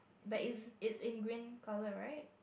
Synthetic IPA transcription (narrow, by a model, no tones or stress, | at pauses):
batɪtsɪtsɪ̃nɡɹĩnkʰaləɹaɪt̚